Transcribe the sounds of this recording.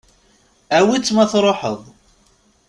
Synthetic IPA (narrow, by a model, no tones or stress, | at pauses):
æwit͡sːmæθɾˤoħəðˤ